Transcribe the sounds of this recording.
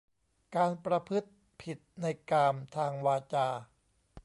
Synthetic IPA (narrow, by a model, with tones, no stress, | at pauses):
kaː˧npɾa˧pʰɯ˦˥t̪̚ | pʰi˨˩t̪̚na˧jkaː˧mt̪ʰaː˧ŋwaː˧t͡ɕaː˧